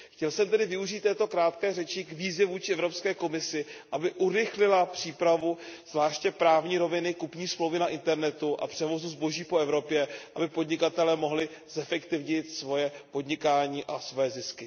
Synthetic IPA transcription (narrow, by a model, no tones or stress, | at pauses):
xcɛlsɛmt̪ɛdɪvɪuʒiːt̪ːɛːt̪o̞kɾaːt̪kɛːrɛt͡ʃɪɡviːzjɛvuːt͡ʃɪʔɛvɾo̞pskɛːko̞mɪsɪʔabɪʔuɾɪxlɪlapr̝̥iːpɾavuz̥vlaːʃcɛpɾaːvɲiːɾo̞vɪnɪkupɲiːsmlowvɪnaʔɪnt̪ɛɾnɛt̪uʔa̰pr̥ɛvo̞zuzbo̞ʒiːpoɛvɾo̞pjɛʔabɪpo̞dɲɪkat̪ɛlɛːmo̞ɦlɪzɛfɛkt̪ɪvɲɪt̪svo̞jɛpo̞d̪ɲɪkaːɲiːʔasvo̞jɛzɪskɪ